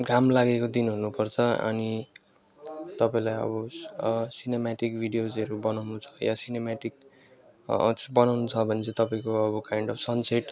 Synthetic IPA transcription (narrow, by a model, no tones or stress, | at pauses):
ɡʱamlaɡekod̪inɦunupʌrt͡sʰʌʌ̰ni | t̪ʌpaĩlajʌ̰bʌ | sinemaʈikbʱiɽijod͡zʌɾubʌnawnut͡sʰʌ̥jasinemaʈik̚ | bʌnawnut͡sʰʌbʱʌnt͡sʰʌt̪ʌpaĩkoʌbʌkajɳɖʌbʰsʌnseʈ